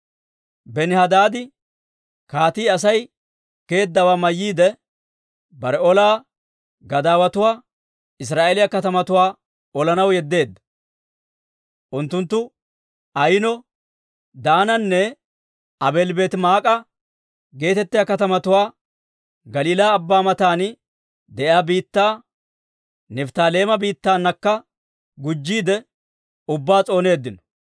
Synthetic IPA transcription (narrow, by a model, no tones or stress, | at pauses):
bɛnɪhɐd̪aːd̪ɪ | kaːt̪iːɐs̬ɐj | ke̞ːd̪ːɐwaːmɐjːiːd̪ɛ | bɐɾɛɔlaː | ɡɐd̪aːwɐt̪ʊwaː | ɪs̬ɾaːʔeːlɪjɐkɐt̪ɐmɐt̪ʊwaː | ɔlɐnɐwjɛd̪ːe̞ːd̪ːɐ̥ | ʔʊnt̪ːʊnt̪ːʊ | ɐjɪnɔ | d̪aːnɐnːɛ | ɐbe̞ːlbe̞ːt̪maːkʼɐ | ɡe̞ːt̪ɛt̪ːɪjakɐt̪ɐmɐt̪ʊwaː | ɡɐliːlaːbːaːmɐt̪aːn | d̪ɛʔjaːbiːt̪ːaː | nɛft̪aːle̞ːmɐbiːt̪ːaːnːɐkːɐ | ɡʊd͡ʒːiːd̪ɛ | ʊbːaːt͡sʼo̞ːne̞ːd̪ːɪnɔ̥